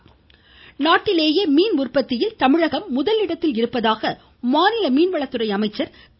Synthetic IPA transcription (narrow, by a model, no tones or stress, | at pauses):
naːʈːɪleːjɐmiːnʊrpɐt̪ːɪjɪlt̪ɐmɪɻɐɣɐmːʊðɐlɪɽɐt̪ːɪlɪɾɯpːɐðaːɣɐ | maːnɪlɐmiːnʋɐɭɐt̪ːɯrɐɪɐmɐɪt͡ʃːɐɾ